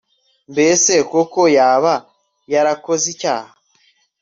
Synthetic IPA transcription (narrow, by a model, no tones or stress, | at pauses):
mbesekokojaːβa | jaɾakozicaːha